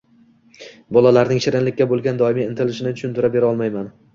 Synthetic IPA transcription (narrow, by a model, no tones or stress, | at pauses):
bɒlˠalaɾnɪŋʃɪɾɪnlɪkʲːabolˠɡʲand̪ɒɪmiɪnt̪ʰɪlɪʃɪnɪt̪ʰʊʃʊnt̪ɪɾabe̞ɾɒlˠmajman